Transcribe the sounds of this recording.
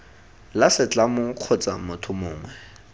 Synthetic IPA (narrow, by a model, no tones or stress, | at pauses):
lasɪt͡ɬʼamʊq͡χʰɔt͡sʼa̰mʊtʰʊmʊːŋwɛ